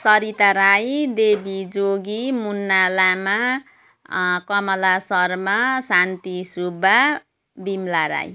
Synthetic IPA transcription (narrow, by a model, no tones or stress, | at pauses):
sʌɾit̪aɾajd̪ebid͡zoɡimunːalama | kʌmʌlasʌrmasant̪isuba | b̪imlaɾa̰j